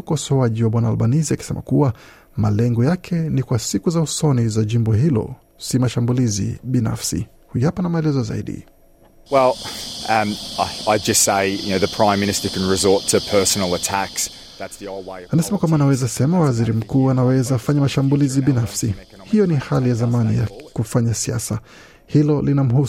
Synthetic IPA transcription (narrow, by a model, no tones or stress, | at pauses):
ukɔsɔaʄiwaɓwanaːlɓaniziaki̥sɛmʔa̰kuwa | malɛŋɡɔjakʰɛnikwasikuzausɔnizaʄimbɔɦilɔ̰ | simaʃambulizḭɓina̰fsḭ | hujapanamaɛlɛzɔza̰ḭɗḭ | wɛlˠʌmaɪaɪdd͡ʒʌstseɪjɨ̰noʊðɨpʰɹ̥ãɪ̃mːɪnɨstə˞kʰɨ̃n̩ɹɨzɔɹtʰɨpʰɜ˞sn̩l̩ˠətʰæks | ðætsðioʊlˠweɪanasɛmakwambaːnawɛzasɛmawaziɾim̩kuːanawɛzaːfaɲamaʃambuliziɓinafsi | hijɔnihalijazamanija̰kufaɲasia̰sa | hilɔlinam̩hu